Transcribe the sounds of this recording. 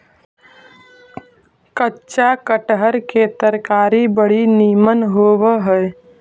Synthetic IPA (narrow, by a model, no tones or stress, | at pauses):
kətːʃakəʈɦəɾket̪əɾkaːɾibəɽ̤iniːmənɦoːʋəɦəe